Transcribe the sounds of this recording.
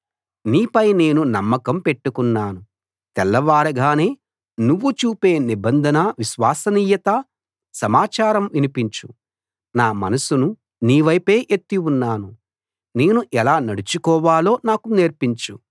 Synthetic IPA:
niːpɐjne̞ːnunɐmːɐkɐmpe̞ʈːukunːaːnu | t̪ɛlːɐʋaːɽɐɡaːne̞ː | nuʋːut͡ʃuːpe̞ːnibɐnd̪ʱɐnɐʋiʃʋaːsɐniːjɐt̪ɐ | sɐmaːt͡ʃaːɾɐmʋinipiɲt͡ʃu | naːmɐ̰nɐsunu | niːʋɐjpe̞ːʔet̪ːiunːaːnu | ne̞ːnuʔɛlaːnɐɽut͡ʃukɔːʋaːlo̞ːnaːkuneːɾpiɲt͡ʃu

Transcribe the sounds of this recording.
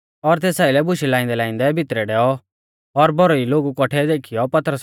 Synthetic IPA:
ɔɾt̪eːsaːilɛbʊʃilaːɪ̃nd̪ɛlãːɪ̃nd̪ɛbʱɪt̪ɾɛɖɛːɔ | ɔɾbʱɔɾɔiloːɡukɔʈʰɛd̪eːkʰijɔpɐt̪ɾəs

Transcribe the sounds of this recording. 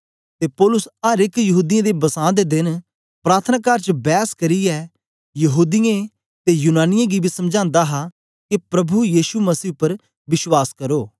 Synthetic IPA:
t̪eːpɔːlʊsəɾɪkjəɦuːd̪ɪjãd̪eːbəsãːd̪eːd̪ɪn | pɾaːɾt̪ʰənaːkəɾt͡ʃbɛːskəɾiːɛː | jəɦuːd̪ɪjẽ | t̪eːjuːnaːnɪjãːɡiːbiːsəmd͡ʒãːnd̪aːɦaː | kɪpɾəbujiːʃuməsiːpəɾ | ʋɪswaːskəɾoː

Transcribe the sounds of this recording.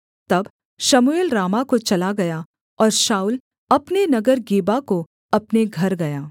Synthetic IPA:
t̪ɐb | ʃɐmueːlɾaːmakot͡ʃɐlaɡɐja | ɔːɾʃaːuːl | ɐpnenɐɡəɾɡeːbako | ɐpneɡʱɐɾɡɐjaː

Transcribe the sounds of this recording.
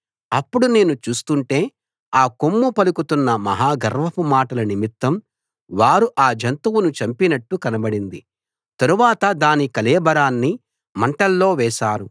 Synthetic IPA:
ɐpːuɽune̞ːnut͡ʃuːst̪uɳʈe̞ː | aːkomːupɐlukut̪unːɐmɐɦaːɡɐɾʋɐpumaːʈɐlɐnimit̪ːɐm | ʋaːɾuʔaːd͡ʒʱɐnt̪uwunut͡ʃɐmpinɐʈːukɐnɐbɐɽind̪i | t̪ɐɾuʋaːt̪ɐd̪aːnikɐlɛːbɐɾaːnːi | mɐɳʈɐlːo̞ːʋɛːʃaːɾu

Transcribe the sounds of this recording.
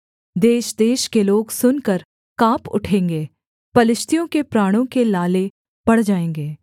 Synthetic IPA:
d̪eːʃd̪eːʃkeloːɡsʊnkəɾ | kaːpʊ̰ʈʰẽːŋɡeː | pɐlɪʃt̪ijõkepɾaːɽ̃õkelaːle | b̥ɐɽ̤d͡ʒaːẽːŋɡeː

